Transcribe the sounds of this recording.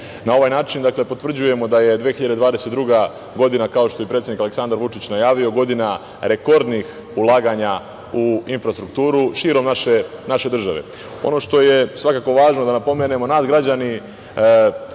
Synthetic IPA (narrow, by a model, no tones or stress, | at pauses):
nao̞ʋajnaːt͡ʃind̪akle̞pot̪vr̩d͡ʑuje̞mo̞d̪aje̞d̪ʋeːxiʎad̪e̞d̪ʋaːd̪e̞set̪d̪ɾuɡa | ɡo̞d̪inakao̞ʃt̪o̞jepɾet̪sʲjeikale̞ksand̪aɾʋut͡ʃit͡ɕnajaːʋio̞ɡo̞d̪ina | ɾe̞ko̞ɾd̪nix | ulˠaːɡaɲa | uinfɾast̪ɾuk̚t̪uːɾuʃiːɾo̞mnaʃenaʃe̞d̪r̩ʒaʋḛ | o̞̰noʃt̪o̞je̞sʋakako̞ʋaːʒnod̪anapo̞mene̞mo̞naːsɡɾad͡ʑani